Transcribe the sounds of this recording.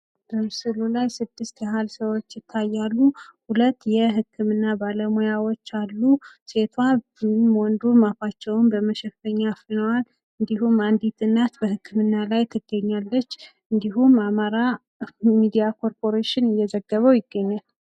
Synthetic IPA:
b̥əmɨsɨlulajsɨd̪ːɨst̪ɛɦalsəwot͡ʃːjɪt̪ʰːajːalːuhulət̪ːjɛɦɨkʰːɨmɨnːabaləmojawo̞t͡ʃːalːuse̞t̪ʰwa | mwɔnd̪umafat͡ʃːɛwnbəməʃɛffəɲːafɨnəwal | ɨnd̪iɦumand̪it̪ɨnːat̪bəhɨkːɨmɨnːalajt̪ʰɨɡ̥ːəɲːalːət͡ʃː | ɨnd̪iɦumamaɾa | mid̪ijakʰo̞ɾpʰo̞ɾeʃɪnɨjːɛzəɡːəβəwjɪɡːəɲːal

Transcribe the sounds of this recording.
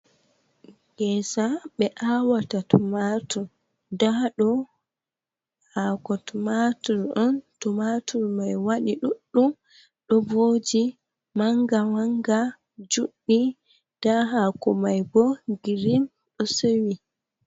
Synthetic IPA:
ɡɛsaɓɛʔawatatmatuɾ | daɗɔ | haːkɔtmatuɾʔɔntɔmatuɾmajwaɗiɗuɗːum | ɗɔvod͡ʒi | maŋɡawaŋɡa | d͡ʒuɗːi | d̥aɦakɔmajbɔɡiɾin | ɗɔsewi

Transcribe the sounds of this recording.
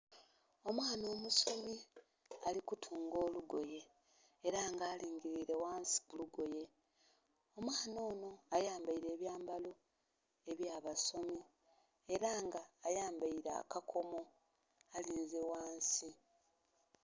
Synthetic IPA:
o̞mwaːno̞ːmuso̞mi | alikutʰuːŋɡo̞ːluɡo̞je̞ː | ɾaːŋɡaːliːŋɡiɾiɾe̞waːnsi̥kuluɡo̞je̞ | o̞mwaːno̞ːno̞ajaːmbaiɾe̞ːβjaːmbalo | e̞βjaːβaso̞mi | eɾaːŋɡaːjaːmbaiɾa̰ːkakʰo̞mo̞ | aliːnzewaːnsi

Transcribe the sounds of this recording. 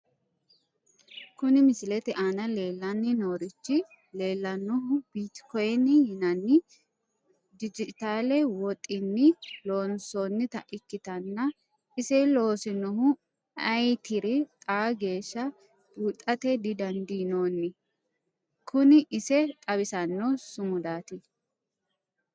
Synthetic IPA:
kʊnɪmɪsɪlɛt̪ɪʔaːnɐle̞ːlːɐnːɪno̞ːɾɪt͡ʃːɪ | le̞ːlːɐnːɔɦʊb̥iːt̪kɔjɛnːɪhɪnɐnːɪ | d̪ɪd͡ʒɪt̪aːlɛwɔt̪ʼːɪnːɪlo̞ːnsonːɪt̪ɐʔɪkːɪt̪ɐnːɐ | ɪsɛloːsɪnɔhʊ | ɐjt̪ɪɾɪt̪ʼaːɡe̞ːʃːɐ | b̥uːt̪ʼːɐt̪ɛd̪ɪd̪ɐnd̪inoːnːɪ | kʰʊnɪʔɪsɛt̪ʼɐβɪsɐnːɔsʊmʊd̪aːt̪ɪ

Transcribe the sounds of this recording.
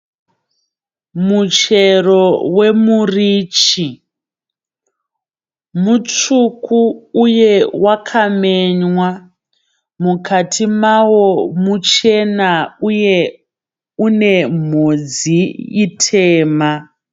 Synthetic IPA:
mut͡ʃe̞rowe̞muriːt͡ʃi | mut͡ʃukuːjewakʰameɲwa | mukʰatʰimawo̞mut͡ʃe̞nauje | une̞m̤od͡zijitʰeːma

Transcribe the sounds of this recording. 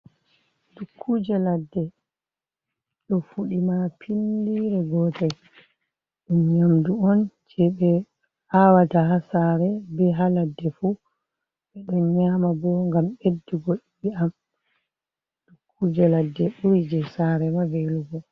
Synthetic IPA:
dukʰːud͡ʒɛladːɛ | ɗɔfuɗimapʰindiɾɛɡɔːtɛ | ɗunɲamduɔnd͡ʒɛɓɛ | awataɦasaɾɛbɛɦaladːɛfu | ɓɛɗɔnɲamabɔŋɡamedːiɡoɗiɓiam | d̥ukʰːud͡ʒɛladːɛɓuɾid͡ʒɛsaɾɛmaveluɡɔ

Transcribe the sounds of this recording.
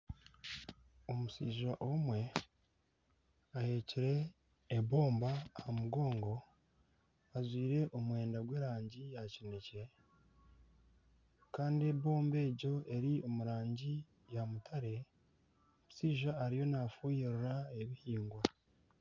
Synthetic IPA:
omusiːʒaʔomwe̞ | ahe̞ːciɾe̞ː | βo̞ːmbahamuɡo̞ːŋɡo̞ | azwiːɾe̞ʔo̞mwe̞ːndaɡwe̞ːɾaːɲɟijacinece | kaːndie̞βo̞ːmbe̞ːɟo̞ʔe̞ɾio̞muɾaːɲɟi | jamutʰaɾe̞ | omusiːʒaːɾijo̞nafuːjiɾuɾae̞βihiːŋɡwa

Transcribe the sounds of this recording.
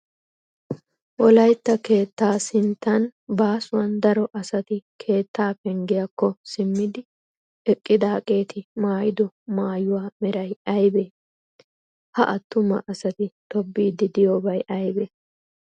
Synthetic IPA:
wɔlɐjt̪ːɐke̞ːt̪ːaːsɪnt̪ːɐnbaːsʊwɐnd̪ɐɾɔʔɐsɐt̪ɪkʰe̞ːt̪ːaːpɛŋɡɪjɐkːɔsɪmːɪd̪ɪ | ɛkʼːɪd̪ɐɐkʼe̞ːt̪ʰɪmaːjɪd̪ɔ | maːjʊwaːmɛɾɐjɐjbeː | hɐ̰ʔɐt̪ːʊmɐ̰ʔɐsɐt̪ɪt̪ɔbːiːd̪ɪd̪ɪjoːbɐjʔɐjbeː

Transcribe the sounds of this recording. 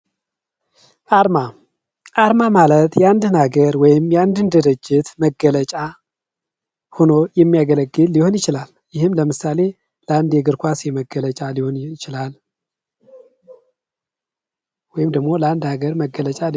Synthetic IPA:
ʔaɾma | ʔaɾmamalət̪jɛand̪ɨnhaɡəɾwɔjɪmjand̪ɨnd̪ɨɾɨd͡ʒːɪt̪məɡələt͡ʃʼa | hono̞jɛmːijaɡələɡːɨlːiho̞njɪt͡ʃɪlal | jɪhɨmləmɨsale̞ | ləand̪jɛɡɨɾkʷasjɛməɡːələt͡ʃʼaliho̞nɪt͡ʃɪlal | wɔjɪmd̪əɡmo̞ləand̪haɡəɾməɡːələt͡ʃʼal

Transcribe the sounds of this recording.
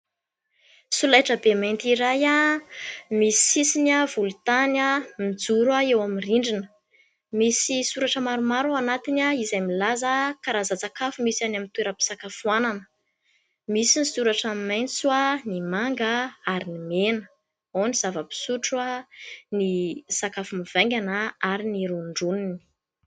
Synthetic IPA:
sulajʈ͡ʂəbemajnt̪iɾaja | misi̥sisinavulut̪anamid͡zuɾaewaminriɳɖ͡ʐinə̥ | misisuɾaʈ͡ʂəmaɾumaɾuanat̪inaizajmilazakaɾazat͡sakafumisanamint̪ueɾəpi̥sakafuananə̥ | misinisuɾaʈ͡ʂamimajnt͡swanimaŋɡaaɾinimenə̥ | oniz̥avəpi̥suʈ͡ʂuanisakafumiv̥eŋɡʲanaaɾiniɾuɳɖ͡ʐunini̥

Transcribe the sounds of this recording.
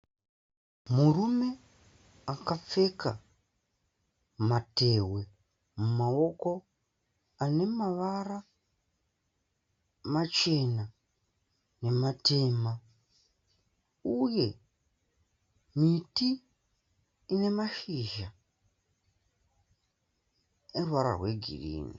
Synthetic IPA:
murume̞ | akap͡fe̞ka̰ | mate̞we̞ | mumao̞ko̞ | ane̞maʋara | mat͡ʃe̞na | ne̞matʰe̞ːma | uje̞ | miti | ne̞maʃiʒa | erwaɾa̰rɦwe̞ɡʱḭrḭːna

